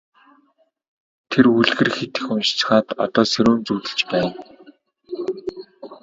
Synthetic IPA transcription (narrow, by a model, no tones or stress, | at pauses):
t̪ʰeruɮɣɘ̆rxet̪ɘ̆xʊnʃt͡ɕɪ̥̆χaːt̪ɔ̰t̪ɔːseɾuːnt͡suːt̪ɘ̆ɮt͡ɕpæːn